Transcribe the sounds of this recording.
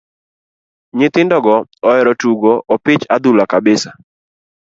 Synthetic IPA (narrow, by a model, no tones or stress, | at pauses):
ɲɪt̪ɪndɔɡɔɔɛɾɔtuɡɔʔɔpɪt͡ʃad̪ulakabɪsa